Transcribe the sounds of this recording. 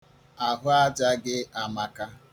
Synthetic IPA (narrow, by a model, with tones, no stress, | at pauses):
a˨ɦʊ˦a˦d͡ʒa˦ɡɪ˦a˨ma˨ka˦